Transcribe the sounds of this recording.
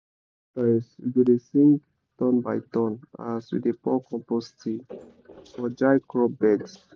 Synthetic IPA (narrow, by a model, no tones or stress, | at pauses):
tasɡodesĩŋk | tɔ̃nbaɪtɔ̃na̰swḭdepɔkɔ̃mposti | fɔd͡ʒaɪkɹɔbɛds